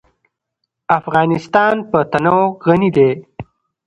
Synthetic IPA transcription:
afɣɑnɪst̪ɑːnpət̪anaoɣanid̪e

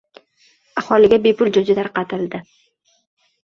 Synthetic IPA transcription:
ahɒlɪɡʲabepʊld͡ʒʊd͡ʒɪt̪aɾqɑt̪ʰɪld̪ɪ

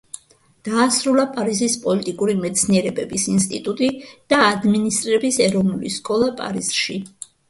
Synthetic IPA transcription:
d̪̥aːsɾulˠapʼaɾizispʼɔlit̪ʼikʼuɾimɛt̪sʰniɛɾɛbɛbisinst̪ʼit̪ʼut̪ʼid̪̥aːd̪minist̪ʼɾiɾɛbisɛɾɔvnulḭskʼɔlˠapʼa̰ɾiz̥ʃi

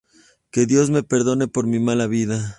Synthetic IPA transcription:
ke̞ðjo̞zme̞pe̞ɾðo̞ne̞po̞ɾmimalaβiða

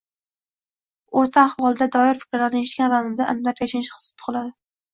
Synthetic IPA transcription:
oɾt̪ʰaːhwɒlˠd̪ad̪ɒɪɾfɪ̥kʲɾlaɾnɪeʃkʲanɾanɪmd̪aʔanmlaɾjaʃɪnɪʃχɨ̥ssɪ̥t̪ʰʊ̥ʁɨlˠad̪ɪ

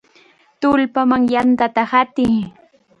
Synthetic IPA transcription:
t̪ʊlpamaŋjant̪at̪ahat̪ɪŋ

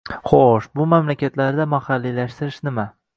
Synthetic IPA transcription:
χoʃbʊmamlakʲʰat̪laɾd̪amahalːilaʃt̪ɪɾɪʃnɪma

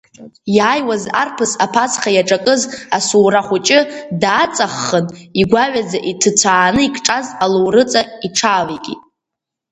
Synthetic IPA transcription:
jaːjwazarpʰɨsapʰat͡sχajaʈ͡ʂʼakʼɨzasuːraχʷʊt͡ʃʼɪdaːt͡sʼaχːəniɡʷaʕʷᶣad͡zaʔitʰɨt͡sʷʰaːnɨikʰʼʈ͡ʂʼazaluwrɨt͡sʼaiʈ͡ʂʰaːlekʲʼḭ

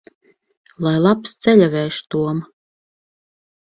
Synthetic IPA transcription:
lˠajlˠapst̪sɛʎʲavʲɛːʃt̪uɔm

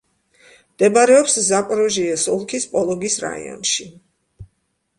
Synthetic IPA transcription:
md̪ɛbaɾɛɔpszapʼɾɔʒiɛsulˠkʰispʼɔlˠɔɡisɾa̰ḭɔ̰nʃi

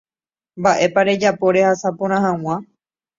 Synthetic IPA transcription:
mbaʔe̞paɾe̞d͡ʒapo̞ɾe̞hasapõɾ̃ãɦãw̃ã

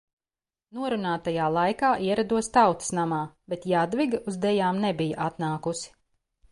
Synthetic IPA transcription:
nuɔɾunaːt̪ajaːlˠajkaːʔiɛɾad̪uɔst̪awt̪snamaːbɛt̪jad̪viɡuzd̪ɛjaːmnɛbijɐʔat̪naːkusi̥

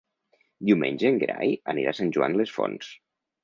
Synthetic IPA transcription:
d̪iumenʲd͡ʒeŋɡɾajəniɾasanʲʒuanlesfo̰ns

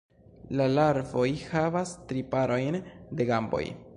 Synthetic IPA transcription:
lalaɾvo̞jhavastɾipaɾo̞jnde̞ɡambo̰j

